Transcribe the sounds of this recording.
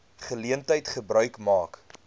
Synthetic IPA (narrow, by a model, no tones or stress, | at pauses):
χəliəntəjtχəbɾœɥkmɑːk